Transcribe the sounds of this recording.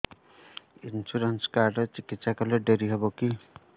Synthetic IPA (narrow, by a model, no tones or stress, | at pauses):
insuɾɔnskaɾɖɔt͡ʃikit̪ːsakɔleɖeɾiɦebɔki